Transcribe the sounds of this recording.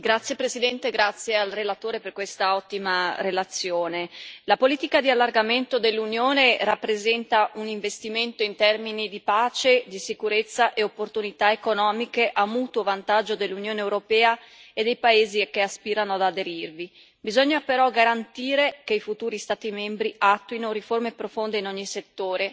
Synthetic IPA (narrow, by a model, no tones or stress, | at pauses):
ɡɾat̪sːjepɾesid̪ɛnt̪eɡɾat̪sːjealrelat̪oːɾeperkwest̪aɔt̪ːimarelat̪sjoːnelapoliːt̪ikad̪ialːarɡament̪od̪elːunjoːnerapːɾezɛnt̪auniɱvest̪iment̪oint̪ɛrminid̪ipaːt͡ʃed̪isikuɾet̪sːaʔeopːort̪unit̪aekonɔːmikeʔamuːt̪wovant̪ad͡ʒːod̪elːunjoːneewɾopɛːa | ed̪ejpaeːzikːeaspiːɾanoad̪ad̪eɾirvi | bizɔɲːapeɾɔɡaɾant̪iːɾek̟eifut̪uːɾist̪aːt̪imɛmbɾiat̪ːuinoɾiformepɾofond̪einɔɲːiset̪ːoːɾe